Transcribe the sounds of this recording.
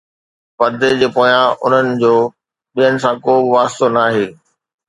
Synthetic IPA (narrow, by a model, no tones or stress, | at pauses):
pɐd̪ʱed͡ʑeːpoːjãʊ̰n̤ənɪ̆d͡ʑoː | ɓijənɪ̆sãkoːbɪʋaːst̪onaːɦeː